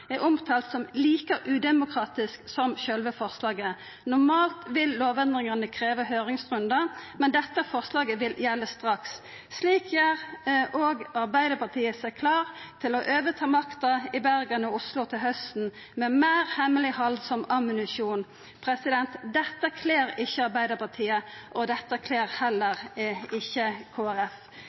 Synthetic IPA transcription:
ɛʔʊmt̪ʰɑːlt̪sɔmliːkəɾʉːd̪ɛmʊkʰʁɑːt̪ɪsksɔmʃœlʋəfɔʁslɑːɡə | nʊʁmɑːlt̪ʋɪlːoːʋɛnd̪ʁɪŋənəkʰʁeːʋəhøːʁɪŋsʁʉnd̪ɑmɛnd̪ɛt̪ːəfɔʁslɑːɡəʋɪljɛlːəst̪ʁɑksː | liːkjæʁoːɡɑʁbæɪd̪əpɑt̪ʰiːəsɛkʰlɑːʁt̪ʰɪlɔʔøːʋət̪ʰɑːmɑkt̪ɑɪbæɾɡɑnəʊslʊt̪ʰɪlhœst̪n̩ | mɛmæːʁhɛməlɪhɑlsɔmɑmɪnʉsuːn | pʰʁɛsɪd̪ɛnt̪d̪ɛt̪ːəkʰleːɾɪçːəɑʁbæɪd̪əpɑt̪ʰiːəʔɔd̪ɛt̪ːəkʰleːʁhɛlːəʁɪçːəkʰoːæɾɛf

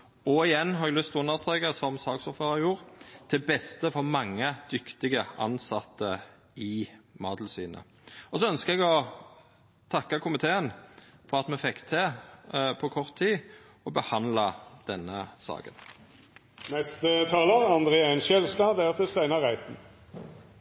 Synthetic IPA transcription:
ɔɪjɛnːhɑɾɛɡlʏst̪ʰɔʉnːəʁst̪ʁɛːkəsɔmsɑːɡsɔfføːɑjuːɾt̪ʰɪbɛst̪əfɔʁmɑŋːəd̪̥ʏkt̪ɪɡəɑ̰nsɑt̪ːə | ɪmɑːd̪l̩sy̰ːnə̰ | ɔsɔœnskəɛɡɔ | t̪ʰɑkːɑkʰʊmɪt̪ʰeːənfɔʁɑt̪mɛfɛkːt̪ʰe | pʰɔkʰɔʁt̪ʰːiː | ɔbəhɑnlɑd̪̥ɛnːəsɑ̰ːkən | nɛst̪ət̪ʰɑːləʁɑnd̪ʁeːæɪnʃɛlst̪ɑd̪æt̪ʰɪst̪æɪnɑʁæɪt̪n̩

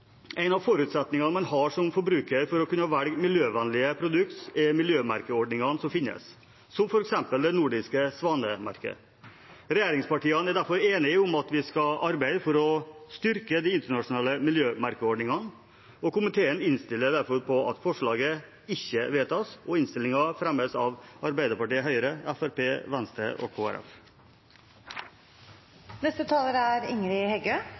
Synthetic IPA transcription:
æɪnɑʋfɔɾʉːt̪sɛt̪nɪŋɑnmɑnhɑʂɔmfɔbɾʉːkəɾfɔɾɔkʰʉnːəɑːʋæɽɡmɪljøːʋɛnlɪəpʰɾʊd̪ʉk̚t̪sɪmɪljøːmɑ̰ɾkəɔɖɳɪŋɑnsɔmfɪnːə̰sː | ɔmfɔɾɛksɛmpəld̪ɛnuːɖɪskəsʋɑːnəmɑ̰ɾkə̰ | ɾɛjæːɾɪŋspɑʈiːɑnæɖ̪æɾfɔɾeːnɪʊmɑt̪ʋɪskɑlʔɑɾbæɪd̪fɔɾɔst̪ʏɾkəd̪iɪnt̪əɳɑʂʊnɑːləmɪljøːmɑɾkəɔɖɳɪŋɑn | ɔkʊmɪt̪ʰeːənɪnst̪ɪlːəd̪æɾfɔɾpʰɔɑt̪fɔʂɭɑːɡə | ɪçːəʋeːt̪ʰɑːsɔɪnst̪ɪlɪŋɑfɾæmːəsɑʋɑɾbæɪd̪əɾpɑʈiːəɦœʏəɾəæfæɾpeːʋænst̪ɾə̰ʔɔ̰kʰoːæ̰ɾʔɛ̰f | nɛst̪ət̪ʰɑːləɾəæɾɪŋɾɪhɛɡøː

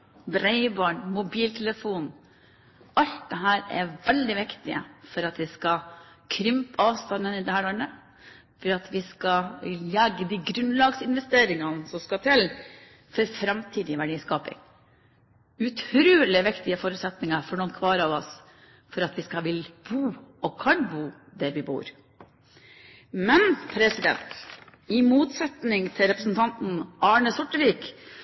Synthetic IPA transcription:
bɾɛɪbɑːɳmʊbiːlt̪ʰɛləfuːn | ɑlt̪̚d̪ɛɦæːɾɛ̰ʋɛld̪ɪʋɪkt̪ɪə̰fɔɾɑt̪ʋɪskɑkʰɾʏmpɑːʋst̪ɑnːənɪd̪ɛhæːɾɔɳə | fɔɾɑt̪ʰʋɪskɑlɛɡːəd̪iɡɾʉnlɑːɡsɪnʋɛst̪eːɾɪŋɑnsɔmskɑt̪ʰɪl | fɔɾfɾɑmt̪ʰiːd̪ɪʋæɖiːskɑːpɪ̰ŋ | ʉt̪ʰɾɾʉːlɪʋɪkt̪ɪəfɔɾʉːt̪sɛt̪nɪŋɑfɔɳɔnkʰʋɑːɾɑʋɔs | fɔɾɑt̪ʋɪskɑʋɪlb̥uːɔkʰɑnbuː | d̪æɾʋɪbṵːɾ | mɛnpʰɾɛsɪd̪ɛ̰nt̪ɪmuːt̪sɛt̪nɪŋt̪ʰɪlɾɛpɾəsn̩t̪ʰɑnt̪n̩ɑːɳəsʊʈːəʋiːk

